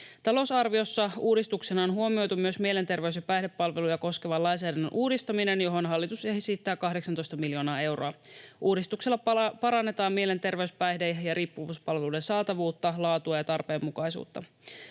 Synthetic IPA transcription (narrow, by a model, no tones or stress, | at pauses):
t̪ɑlo̞sɑrʋio̞sːɑuːdist̪uksenɑonɦuomio̞jt̪umyø̞smielent̪e̞rʋe̞ysjɑpæjhde̞pːɑlʋe̞lujɑko̞ske̞ʋɑlɑjns̬æːdɑnːø̰nʔuːdist̪ɑmine̞njo̞ɦo̞nɦɑlːit̪useɦsit̪ːæːkɑɦdeksɑnt̪o̞jst̪ɑmiljo̞ːnɑːe̞wro̞̰ɑʔuːdist̪ukselːɑpɑɾɑnːe̞t̪ɑːmmiele̞nt̪e̞rʋe̞yspæjhdejɑɾiːpːuʋuːspɑlʋe̞lude̞nsɑːt̪ɑʋuːt̪ːɑlɑːt̪uɑjɑt̪ɑrpe̞ːmːukɑjsṵːt̪ːɑ̰